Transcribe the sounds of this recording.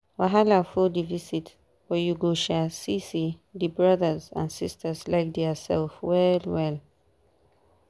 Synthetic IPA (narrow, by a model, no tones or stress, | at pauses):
waɦalafudivisit | fɔjuɡoʃasisidibɹʌðəzã̰nsistʰəzlaɪk̚dɛsɛ̰lfwɛlwɛl